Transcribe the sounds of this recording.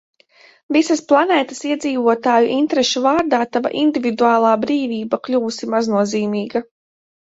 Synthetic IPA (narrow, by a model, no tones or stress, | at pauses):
visasplˠanɛːt̪ə̥siɛd̪ziːvuɔt̪aːjuʔint̪ɾɛʃuvaːɾd̪aːt̪ava̰ʔind̪ivid̪uaːlˠɑːbɾiːviːbaklʲuːsimaznuɔziːmiːɡa